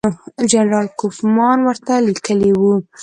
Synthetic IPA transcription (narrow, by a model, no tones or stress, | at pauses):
d͡ʒanɾɑlkufmɑnwəɾt̪alikəliwu